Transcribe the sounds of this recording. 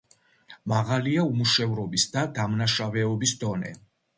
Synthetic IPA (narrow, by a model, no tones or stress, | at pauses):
maʁaliaumuʃɛvɾɔbisd̪ad̪amnaʃavɛɔbisd̪ɔnɛ̰